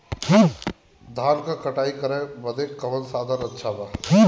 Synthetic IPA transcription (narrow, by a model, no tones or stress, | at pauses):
d̪ʱaːnkakɐʈaːikəɾẽbəd̪ekːɐmənsaːd̪ʱəɾɐtːʃʰabaː